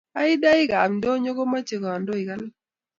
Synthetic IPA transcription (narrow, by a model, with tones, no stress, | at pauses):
a˦ɪ˦da˦ɪ˦ɡa˨mndo˦ɲo˦ɡo˦ma˦t͡ʃe˨kɔ˨a˨ndo˦ɪ˨ɡa˦l